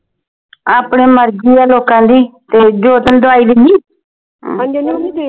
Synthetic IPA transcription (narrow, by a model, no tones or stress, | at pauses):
aːpɳeːməɾd͡ʒiːaːloːkãːd̪iːt̪eːd͡ʒoːt̪ənd̪ʊaːiːd̪ɪniː